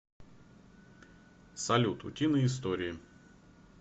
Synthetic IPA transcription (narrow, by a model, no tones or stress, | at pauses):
sɐlʲut̪ʊ̰tʲinəɪst̪oɾʲɪɪ